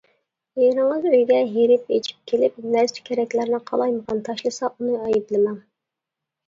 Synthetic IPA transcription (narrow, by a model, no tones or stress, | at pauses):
jeɾɨŋəzøjɡʲɛɦeɾɪpḛt͡ʃʰi̥p̚kʲʰelɪp̚næɾsy̥kʲʰɛɾɛkʲlæɾnɪqʰɑ̰lˠɑjməʁɑnt̪ʰɑʃlˠɨsɑunɨɑjiblɪmɛŋ